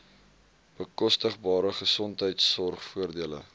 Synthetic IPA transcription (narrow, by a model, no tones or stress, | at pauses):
b̥əkɔstəχbɑːɾəχəsɔntɦəjtsːɔrχfuərdiələ̰